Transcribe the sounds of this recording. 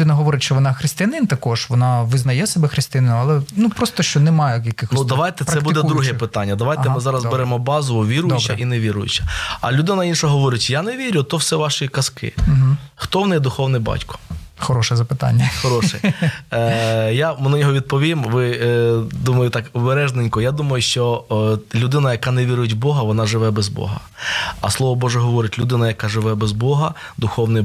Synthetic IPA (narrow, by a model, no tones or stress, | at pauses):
d̪ɪnɐɦɔʋɔɾʲɪʃt͡ʃɔʋɔnɑxɾɪst̪ɪjɐnɪnt̪ɐkɔʒʋɔnɑʋɪznɐjɛsɛbɛxɾɪst̪ɪjɐnɪnʊɐlˠɛnupɾɔst̪ɔʃt͡ʃɔnɛmɑjɛjɐkɪxɔnsud̪ɐʋɑjt̪ɛt̪sɾɐɛbud̪ɛd̪ɾuɦɛpɪt̪ɑnʲːɐd̪ɐʋaj̪ɛmɪzɑɾɐzbɛɾɛmɔbɑzʊʋʊʋʲiɾʊjd̪t͡ʃːɐʔinɛʋʲiɾʊjʊ̰t͡ʃɐ̥ɐ̰lʲʊd̪ɪnɐinʃɐɦɔʋɔɾʲɪtʲjanɛʋʲiɾʲʊt̪ɔwsɛʋɑʃikɐskɪ̰m̩ɦ̩xt̪ɔʋnɛjɛd̪ʊxɔwnɪbɑ̰tʲkɔ̥xɔɾɔʃɛzɐpɪt̪a̰nʲːɐxɔɾɔʃɛ | jamɪnɐnʲɔɦɔʋʲid̪̚pɔʋʲimʋɪ | d̪umɐjʊt̪ɑkɔbeɾɛʒnenʲkɔjad̪umɐjʊʃt͡ʃɔlʲʊd̪ɪnɐjɐkɑnɛʋʲiɾʊjɪtʲbɔɦɐʋɔnɑʒɪʋɛbɛzbɔ̰ɦɐ̰ | ɐ̰slˠɔʋɔbɔʒɛɦɔʋɔɾɪtʲlʲʊd̪ɪnɐjɐkɑʒɪʋɛbɛzbɔɦɐ | d̪ʊxɔwnɪ